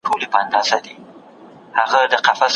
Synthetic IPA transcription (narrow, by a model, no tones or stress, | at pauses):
ʈʰolepəand̪ɑzad̪i | haɣad̪əqafas